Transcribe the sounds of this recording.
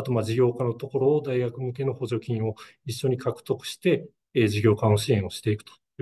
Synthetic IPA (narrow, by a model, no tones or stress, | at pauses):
at̪o̞mad͡ʑiɡʲo̞ːkãno̞t̪o̞ko̞ɾo̞ːd̪aiɡakɯ̟mɯ̟k̬e̞no̞ho̞ʑo̞kʲĩɰ̃o̞iɕːo̞ɲ̟ikʰakɯ̟̥t̪o̞kɯ̟̥ɕi̥t̪e̞ | d͡ʑiɡʲo̞ːkãoɕiẽɰ̃o̞ɕi̥t̪e̞ikɯ̟̥t̪o̥